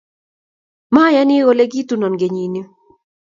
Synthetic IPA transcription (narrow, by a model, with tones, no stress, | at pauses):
ma˦ja˦nɪ˦ɣo˦le˦ɡi˦tu˦nɔ˨nɡe˨ɲi˨no˦